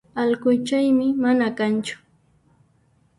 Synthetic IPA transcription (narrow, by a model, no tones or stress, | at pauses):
alɢʊjt͡ʃajmɪmanakant͡ʃʊ̥